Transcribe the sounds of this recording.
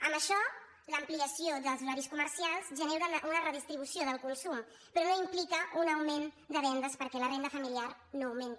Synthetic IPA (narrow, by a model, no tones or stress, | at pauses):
əmbəʃɔ | ləːmpliəsiod̪əlˠzulaɾiskuməɾsialˠzʒəneɾənʔunərəðist̪ɾiβusioðəlˠkunsum | pɾɔnoimplikəunəwmen | d̪əβɛnd̪əspəɾkɛlərend̪əfəmiliar | noːwment̪i